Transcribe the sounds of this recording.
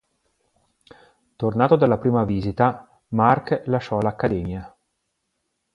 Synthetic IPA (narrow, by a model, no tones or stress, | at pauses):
t̪ornaːt̪od̪alːapɾiːmaviːzit̪a | marklaʃːɔlakːad̪ɛːmja